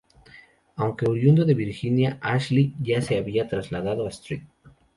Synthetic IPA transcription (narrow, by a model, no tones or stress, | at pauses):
awŋke̞uɾjund̪oðe̞βiɾxinjaʔaʃliʝase̞aβiat̪ɾazlaðaðo̞ast̪ɾit̪̚